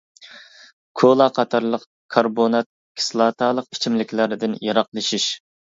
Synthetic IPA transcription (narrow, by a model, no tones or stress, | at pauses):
kʰolˠɑqʰɑt̪ʰɑɾlˠəq | kʰɑɾbonɑt̪̚ | kʲʰi̥slˠɑːt̪ʰɑːlˠəq̚i̥t͡ʃʰimlɪkʲʰlæɾɪd̪ɪnjɑɾɑqlˠɨʃiʃ